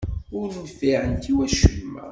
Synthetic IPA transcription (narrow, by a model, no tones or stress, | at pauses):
ʊɾnːfiʕənt̪iwæʃəlmæ̰